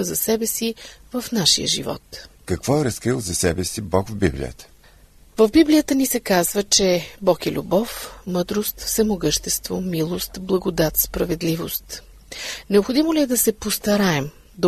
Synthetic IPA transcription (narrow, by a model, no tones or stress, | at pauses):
əzɐsɛbɛsivəfnaʃḭjə̰ʒḭvɔ̰t̪kɐkvɔɛɾɐskɾilˠzɐsɛbɛsibɔkvbḭblʲḭjə̰t̪ə̥ | vəvbiblijət̪ənisɛkazvət͡ʃɛbɔkɛlʲṵbɔfmɤd̪ɾost̪fsɛmoɡɤʃt̪ɛst̪vo̰milˠost̪blˠɐɡod̪at̪spɾɐvɛd̪livost̪ | nɛopxod̪imolʲiɛd̪ɐsɛpost̪ɐɾaɛm | d̪